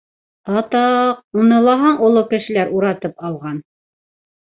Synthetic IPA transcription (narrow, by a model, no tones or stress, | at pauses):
ɑt̪ɑq̚unɤ̆lˠɑɦɑɴulˠɤkɘ̆ʃɘ̆læɾʔuɾɑt̪ɤpɑw̪ˠʁɑn